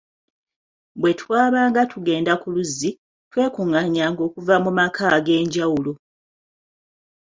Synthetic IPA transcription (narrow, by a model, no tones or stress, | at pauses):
bwe̞twaːβaːŋɡatuɡe̞ːndakuluzːi | twe̞ːkuŋaɲaːŋɡo̞ːkuvamumakʰaɡe̞ːɲɟawulo